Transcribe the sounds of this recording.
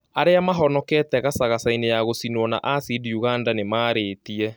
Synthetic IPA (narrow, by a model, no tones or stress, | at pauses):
aɾeamaɦɔnɔkɛtɛɣasaɣasainejaɣosinwɔna̰ʔasidiuɣandanemaːɾeːtiɛ